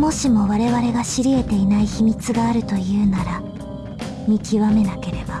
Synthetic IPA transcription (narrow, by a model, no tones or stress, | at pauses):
mo̞ɕimo̞βaɾe̞βaɾe̞ɡaɕiɾʲie̞t̪e̞inaiçimʲit͡sɨɡaːɾɯ̟t̪o̞jɯ̟ːnaɾa | mʲikʲiβame̞nake̞ɾe̞b̥a